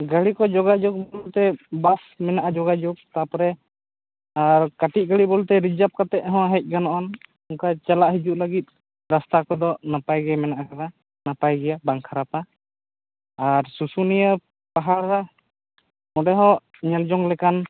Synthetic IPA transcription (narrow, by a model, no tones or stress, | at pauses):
ɡaɽikɔd͡ʒɔɡad͡ʒɔk̚bɔlt̪ɛbasmɛnaʔad͡ʒɔɡad͡ʒuk̚t̪apɔɾɛ | aɾkaʈit̚ɡaɽibɔlt̪ɛɾid͡ʒap̚kat̪ɛʔ̚ɦɔ̃ɦɛc̚ˀɡanɔʔɔn | ɔŋkat͡ʃalaʔɦid͡ʒuʔlaɡit̪̚ˀ | ɾast̪akɔd̪ɔnapajɡɛmɛnaʔakaɾa | napajɡɛjabaŋkʰaɾap̪a | aɾsusunijə | paɦalɾa | mɔɖɛɦɔʔ | ɲɛld͡ʒɔŋlɛkan